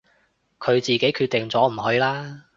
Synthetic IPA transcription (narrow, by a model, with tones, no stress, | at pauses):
kʰɵ˨˧ɥt͡siː˨˩ke˨˥jkʰyː˥˧t̚t̪ɪ˨ŋt͡sɔː˨˥m̩˨˩ɦɵ˨˧ɥlaː˥